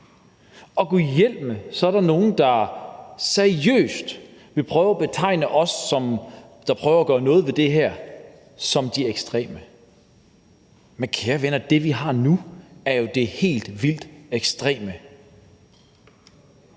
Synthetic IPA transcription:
ɒ̽ɡ̥ojel̰b̥məsɒ̽æɐɾ̥ɑ̈no̝ːn̩d̥ɑ̈ | sæɐiø̰ːsd̥ʋe̝lpʰʁœːʊæb̥e̝t͡sʰɑ̈ɪ̰nəʔɒ̽sɒ̽m | d̥ɑ̈pʰʁœːʊɐæːɡ̥ɶːɐnɔ̽ːð̩ˠʋe̝d̥e̝ɦæɐ̰ | sɒ̽md̥ieɡ̥sd̥ʁɛ̰ːmə | menkʰeːɐʋenɐd̥e̝ʋiɦɑ̈nuæɐjo̝d̥e̝he̝̰ːld̥ʋil̰d̥eɡ̥sd̥ʁɛ̰ːmə

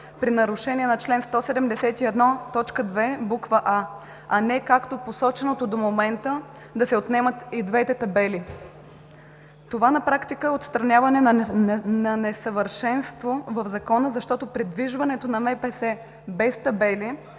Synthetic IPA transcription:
pɾinɐɾʊʃɛniɛnɐt͡ʃlɛnst̪ɔsɛd̪ɛmd̪ɛsɛt̪iɛd̪nɔt̪ɔt͡ʃkəd̪vɛbukvəʔa | ɐnɛkakt̪oposɔt͡ʃɛnot̪od̪omomɛnt̪ə | d̪ɐsɛot̪nɛmət̪id̪vɛt̪ɛt̪ɐbɛli | t̪ovanɐpɾakt̪ikəɛot̪st̪ɾɐnʲjavɐnɛnɐnɛsəvəɾʃɛnst̪vovɐfzɐkɔnəzɐʃt̪ɔt̪opɾɛd̪viʒvɐnɛt̪onɐmɛpɛsɛ | bɛst̪ɐbɛli

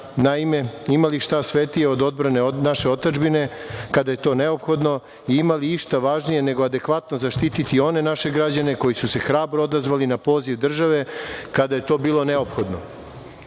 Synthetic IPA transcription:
naime̞imaliʃt̪asʋe̞t̪ijeod̪o̞d̪̚bɾane̞onaʃe̞o̞t̪ad͡ʒbine̞kad̪aje̞t̪o̞ːne̞o̞pxo̞d̪no̞ | iimaliiʃt̪aʋaʒnije̞ne̞ɡoad̪e̞kʋat̪no̞zaʃt̪it̪it̪io̞ne̞naʃe̞ɡɾad͡ʑane̞ko̞jisuse̞xɾaːbɾood̪azʋalinapo̞ːziʋd̪r̩ʒaʋe̞kad̪aje̞t̪o̞ːbiːlˠo̞ne̞o̞pxo̞d̪no̰

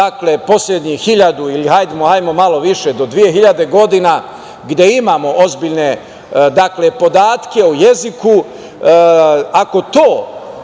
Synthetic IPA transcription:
aklepo̞sʎʲed̪ɲihiʎad̪uilihajd̪emohajmo̞malo̞ʋiʃed̪o̞d̪ʋije̞ɦiʎad̪e̞ɡo̞d̪ina | ɡd̪je̞imaːmo̞ʔozbiʎne̞ | d̪akle̞po̞d̪aːt̪ke̞uje̞ziku | ako̞t̪oː

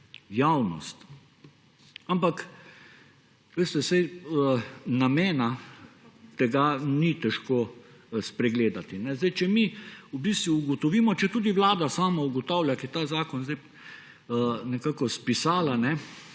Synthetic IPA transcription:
jawnɔ̰st̪ | ampak | ʋeːst̪ɛsɛj | nameːna | t̪ɛɡanit̪ɛʃkoː | spɾɛɡleːd̪at̪inɛzd̪ajt͡ʃɛmiubist̪ʋuːɡɔt̪ɔʋiːmɔt͡ʃɛt̪uːd̪iʋlaːd̪asaːmauɡɔt̪aːwljakiɛt̪aːzaːkɔnzd̪aɪ | nɛkaːkɔspisaːlanɛ

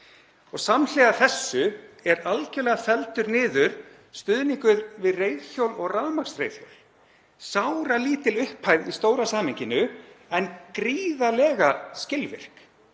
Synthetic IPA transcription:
ɔɣsaml̥ɛːɣaθɛsːʏɛɾalcɛlɛːɣafɛlt̪ʏɾnɪːðʏɾ̥ | st̪ʏðniŋkʏɾvɪðrejðçjowlɔɣraːmaksrḛjðjowl | sawɾaliːt̪ɪlʏhphajðist̪oːwɾasaːmɪɲcɪnʏɛnkɾiːðalɛːɣascɪlvɪ̰r̥k

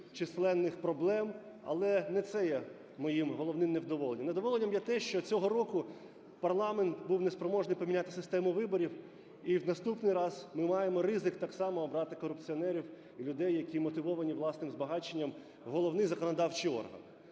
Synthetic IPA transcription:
t͡ʃislˠɛnːɪxpɾɔblˠɛm | ɐ̰lˠɛnɛt̪sɛjɛ | mɔjimɦɔlˠɔwnɪmnewd̪ɔʋɔlˠenʲːɐned̪ɔʋɔlˠenʲːɐmjɛt̪ɛʃt͡ʃɔt͡sʲɔɦɔɾɔkʊ | pɐrlˠɑment̪buwnespɾɔmɔʒnɪjpɔmʲnʲat̪ɪsɪst̪ɛmʊʋɪbɔɾʲiw | iwnɐst̪upnɪjɾɑzmɪmɑjemɔɾɪzɪkt̪ɑksɑmɔːbɾɑt̪ɪkɔɾʊpt͡sʲiɔnɛɾʲiw | ilʲʊd̪ɛjːɐkʲimɔt̪ɪʋɔʋɐnʲiʋlˠɑsnɪmzbɐɦɑt͡ʃenʲːɐm | ɦɔlˠɔʋnɪjzɐkɔnɔd̪ɑwt͡ʃiɔ̰rɦɐ̰n

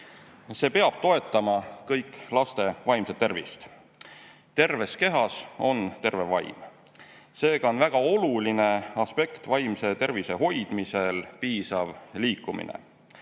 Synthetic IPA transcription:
se̞ːpe̞ɑb̥̚t̪o̞e̞t̪ːˑɑmɑkɤjkːˑlɑst̪e̞vɑjmset̪ːe̞rvḭst̪ | t̪e̞rve̞ske̞ɦɑso̞nt̪e̞rve̞vɑj̰m | se̞ːɡ̥ɑo̞nvæɡ̥ɑo̞luline̞ɑspe̞kt̪vɑjmse̞t̪e̞rvise̞ɦo̞jd̪̥mise̞lpiːsɑvliːkːˑumḭnḛ

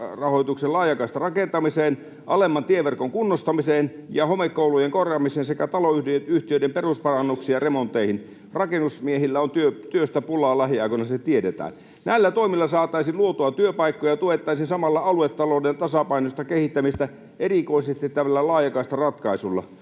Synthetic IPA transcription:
rɑhoˑit̪ukselɑːjɑkɑist̪ɑrɑkent̪ɑmiseːn | ʔɑlemːɑnt̪ieʋerkoŋkunːost̪ɑmiseːnjɑhomekːoulujeŋkorjɑːmiseːnsekæt̪ɑloyhdijet̪yht̪iøˑidemperuspɑrɑnːuksiɑremont̪ːˑeihin | rɑkenusmiehilːæont̪yøt̪yøst̪æpulˑɑːlɑhiɑˑikonɑset̪ietet̪æ̰ːn | næilːæt̪oimilːɑsɑːt̪ˑɑˑisinluot̪oɑt̪yøpɑikːojɑt̪uet̪ːˑɑˑisinsɑmɑlːɑɑluet̪ːɑloːdent̪ɑsɑpɑinost̪ɑkehit̪ːæmist̪æ | ʔerikoisest̪it̪æʋælːælɑːjɑkɑist̪ɑrɑt̪kɑisulːɑ̰

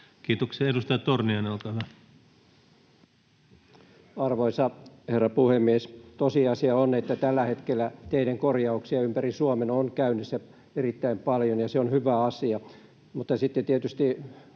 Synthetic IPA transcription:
kiːt̪okseedust̪ɑjɑtt̪orniɑnɑlkɑʋɑ | ɑrʋoisɑherːɑpuhemːiest̪osiɑsiɑonet̪ːæt̪ælːæhet̪kelːæt̪eiɾæŋkorjɑuksiɑympærisuomenonkæynesːæ | erit̪ːæimpɑljonjɑseonhyʋæɑsiɑ | mut̪ːɑsit̪ːet̪iet̪yst̪i

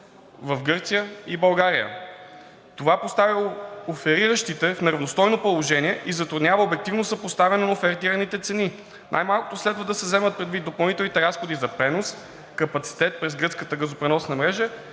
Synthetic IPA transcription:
vəfɡɤɾt̪sijəibɐlˠɡaɾijə̰ | t̪ovapost̪avilˠofɛɾiɾəʃt̪it̪ɛfnɛɾɐvnost̪ɔjnopolˠoʒɛniɛʔizɐt̪ɾud̪nʲavəobɛk̚t̪ivnosəpost̪avɛnənɐofɛɾt̪iɾənit̪ɛt̪sɛni | nʔa̰jmalˠkʊ̥t̪oslɛd̪vəd̪ɐsɛvzɛmət̪̚pɾɛd̪vid̪opɐlˠnit̪ɛlˠnit̪ɛɾasxod̪izɐpɾɛnos | kɐpɐt̪si̥t̪ɛt̪̚pɾɛzɡɾɤtskət̪əɡəzopɾɛnɔsnɐmɾɛʒə

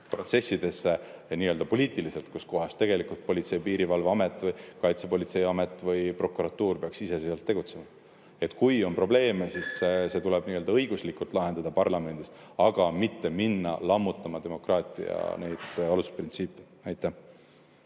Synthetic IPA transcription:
pro̞t̪se̞sʲːid̪̥e̞sːe̞niːø̞ld̪̥ɑpo̞lʲiːt̪ˑilise̞lt̪kusko̞ɦɑst̪e̞ɡ̥e̞likult̪̚po̞lʲit̪se̞jpiːɾivɑlvɑme̞t̪ːˑvɤjkɑjt̪sepo̞lʲit̪se̞jɑme̞t̪ːˑvɯjpro̞kuɾɑt̪ːuːrpe̞ɑksisesiɑlt̪ːe̞ɡ̥ut̪se̞mɑ | e̞t̪ːˑkujo̞npro̞ble̞ːmesisse̞t̪ulɛb̥niːøld̪ɑɤ̞jɡ̥uslikult̪ˑlɑɦe̞nd̪ɑd̪̥ɑpɑrlɑme̞nd̪̥is | ɑɡ̥ɑmit̪ːe̞minːɑ̰lɑmːut̪ːˑɑmɑd̪e̞mo̞krɑːt̪ˑḭɑ̰ne̞jd̪̥ɑlusprint̪siːpːˑe | ɑjt̪ːˑæh

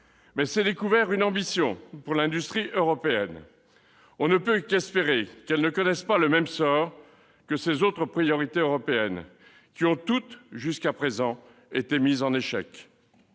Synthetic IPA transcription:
mɛsɛd̪ekuvɛʁynɑ̃bisjɔ̃puʁlɛ̃d̪yst̪χiʔøʁɔpeɛn | ɔ̃nəpøkɛspeʁekɛlnəkɔnɛspaləmɛmsɔʁ | kəsezot̪χəpχijɔʁit̪eøʁɔpeɛn | kʲiɔ̃t̪ut̪ʒyskapχezɑ̃ | et̪emizɑ̃neʃɛ̰k

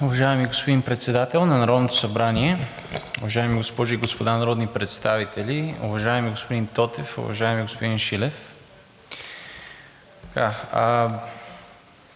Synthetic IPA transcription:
ʊvɐʒaɛmiɡospod̪inpɾɛt̪sɛd̪at̪ɛlˠnɐnɐɾɔd̪not̪o̥sɐbɾaniɛ | ʊvɐʒaɛmiɡospɔʒiɡospod̪anɐɾɔd̪nipɾɛt̪st̪avit̪ɛliʊ̰vɐʒaɛmiɡospod̪int̪ɔt̪ɛfʊ̰vɐ̰ʒaɛmiɡospod̪inʃilɛf | kaa

